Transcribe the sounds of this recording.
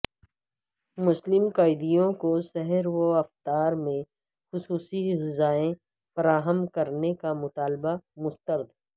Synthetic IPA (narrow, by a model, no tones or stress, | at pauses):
mʊslɪmqaːɪd̪ijõkosɛɦɛɾwoɐft̪aːɾmẽ | xʊsuːsiɦɪzaːẽ | fɐɾaːɦəmkɐɾnekamʊt̪aːlbamʊst̪əɾd̪